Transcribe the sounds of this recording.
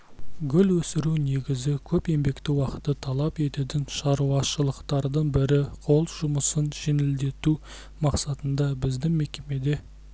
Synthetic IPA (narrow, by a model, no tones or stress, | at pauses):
ɡʲʏlwɵsɪɾune̞ɡʲɪzɪkʲʰɵpe̞mbe̞kt̪ɪwɑqə̥t̪ːət̪ʰɑlˠɑpe̞t̪ed̪ɪŋʃɑɾuɑʃəlˠəqt̪ɑɾd̪əɴbɪɾɪqʰo̞lˠʒʊməsənʒe̞nɪld̪e̞t̪u | mɑqsɑt̪ənd̪ɑbɪzd̪ɪŋme̞kʲe̞me̞d̪e̞